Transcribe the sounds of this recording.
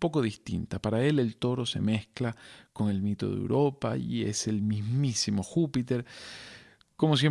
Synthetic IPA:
po̞ko̞ðist̪ḭnt̪apaɾae̞le̞lt̪o̞ɾo̞se̞̰me̞sklako̞ŋe̞lmit̪o̞̰ðḛwɾʔo̞pa̰iḛse̞lmizmisimo̞xupit̪e̞ɾ | komo̞s̬je

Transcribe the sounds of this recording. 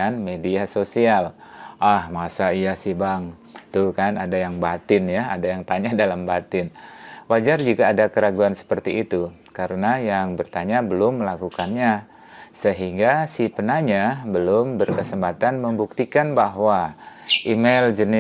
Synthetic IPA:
anmediasosialʔahmasaijasɪhbaŋt̪ukanadajaŋbat̪ɪnjaa̰dajaŋt̪aɲadalambat̪ɪnwad͡ʒard͡ʒuɡaːdakəɾaɡuansə̥pərt̪iːt̪u | kaɾənajaŋbərt̪aɲabəlʊmːəlakukanɲa | səɦiŋɡasipənaɲabəlʊmbərkəsəmpat̪anməmbuk̚t̪ikanbaɦwaʔimeld͡ʒənɪ

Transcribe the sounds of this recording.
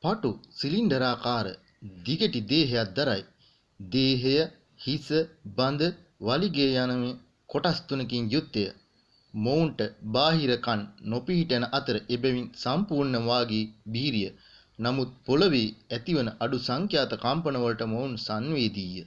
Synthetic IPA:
paʈusiliɳɖəɾaːkaːɾə̰ | d̪iɡəʈid̪eːɦejat̪̚d̪aɾaj | d̪eːɦejə | hisəband̪ə | ʋaliɡeːjanɐʋe | koʈast̪unəkiŋjut̪ːejə | mowɳʈəbaːɦiɾəkanːopiɦiʈɐnəʔɐt̪əɾəʔebɛʋinsampuɾnəʋaːɡiːbiːɾijə | namut̪̚poləʋeːɛt̪iʋənəʔaɖusaŋkjaːt̪ɐkampənəʋɐlʈəmounsanʋeːd̪iːjə

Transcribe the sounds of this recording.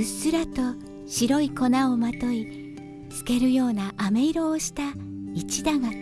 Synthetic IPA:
ɯsɨɾat̪o̞ | ɕiɾo̞iko̞naomat̪o̞i | t͡sɨ̥ke̞ɾɯ̟jo̞ːnaʔame̞iɾo̞ːɕi̥t̪ait͡ɕid̪aɡa

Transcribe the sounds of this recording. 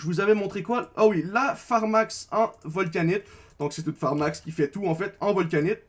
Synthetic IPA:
ʒəvuzavɛmɔ̃t̪χekwaawilafaʁmaksɛ̃vɔlk̬ʲanit̪ | d̪ɔ̃ksɛt̪ut̪faʁmakskʲifɛt̪uɑ̃fɛt̪ɑ̃vɔlk̬ʲanit̪̚

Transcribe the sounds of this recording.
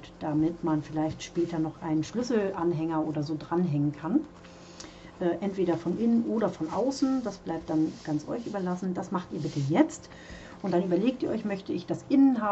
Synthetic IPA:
d̥amɪtmanfɪlaɪçtʃpɛːtɐnɔχʔa̰ɪnənʃlʏsl̩ʔanɦɛŋɐʔoːdɐzoːdʁanɦɛŋənkʰan | ʔɛːʔɛntv̥eːɾɐfɔnʔɪnənʔoːɾɐfɔnʔaʊsn̩d̥asb̥laɪp̚t̚d̥anɡ̥ant͡sʔɔ̰ʏçʔyːbɐlasn̩d̥asmaχtiːɐbɪtəjɛt͡st | ʔʊntd̥anʔyːbɐleːk̚tiːɐʔɔʏçmœçtəɪçd̥asʔɪnənɦaː

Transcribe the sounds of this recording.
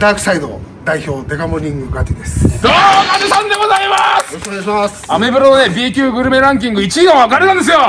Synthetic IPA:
d̪aːkɯ̟̥said̪o̰ | d̪aiço̞ːd̪e̞kamoɾʲĩŋɡɯkat̪id̪esɨ̥d̪oːkad͡ʑisãnd̪e̞ɡozaimasokoeɕmas | amebɯɾonebʲiːkʲɯːɡɯ̟ɾɯ̟me̞ɾãŋk̬ʲĩŋɡɯ̟it͡ɕiiɡ̪õβakaɾeãnd̪e̞s̬ɨjo

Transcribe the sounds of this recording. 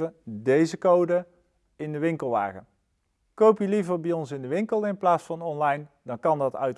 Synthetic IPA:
ədejzəkowdə | ɪndəʋɪŋkəlˠʋa̰ːχə | kowpjəlivəɹbijɔnsɪndəʋɪŋkəlˠɪnplaːsfɑnɔnlɑjn | dɑnkɑndɑtœ̰ɥt

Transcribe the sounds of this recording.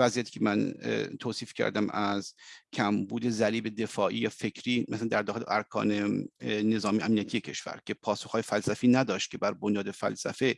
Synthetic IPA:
væziæt̪ʰiːcʰemænt̪ʰoːsiːfcʲʰæ̰ɾd̪æmæzcʰæmbuːd̪e̞zæɾiːbe̞d̪e̞fɒːʔiːjɒːfe̞kʰɾiːmʔæsæænd̪æɾd̪ɒːxelḛʔæɾkʰɒ̰ːnene̞zɒːmijeæmnijæt̪ʰije̞cʰe̞ʃv̥æ̰ɾcʰʲe̞pʰɒːsoxɒːjefælsæfiːnæd̪ɒːʃt̪̚cʰe̞bæɾbonjɒːd̪e̞fæ̰lsæ̰fe̞

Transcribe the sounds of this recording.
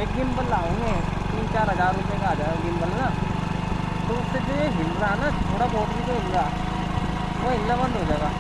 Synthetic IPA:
eːk̚ɡɪmbəllaːũɡẽt̪iːnt͡ʃaːɾɦɐzaːɾːʊpekaaːd͡ʒaːɡaɡɪmbəlnaː | t̪oʊsed͡ʒoːjeɦɪlɾaɦɛnat̪ʰoːɽaboːʈbʱit̪oɦɪlɡaː | ʋoɦɪlnabɐ̃nd̪ʱɦoːd͡ʒaːeɡaː

